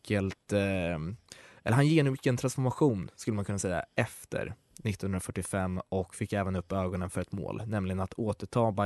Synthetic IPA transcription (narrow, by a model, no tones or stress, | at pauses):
kʰəlt̪ | ɛ̰lːɾhanjeːnʉkːənt̪ʰɾansfɔɾmaɧuːnskɵlːəmankʰɵnːasɛjːa̰ɛft̪ʰə̰ɾ | nɪt̪ːɔːnɵnɾafœʈːɪfɛmːɔkfɪkːɛːvənɵpːøːɡɔnənfœɾɛt̪mo̰ːlnɛmlɪɡənat̪ʰoːt̪əʈʰɑːba